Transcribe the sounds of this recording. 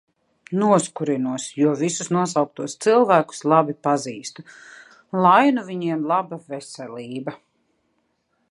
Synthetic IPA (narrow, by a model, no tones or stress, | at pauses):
nuɔskuɾinuɔsjuɔvisusnuɔsawk̚t̪uɔst̪silˠvæːku̥slˠabipaziːst̪u | lˠajnuviɲiɛmlˠabavesɛlʲiːbɐ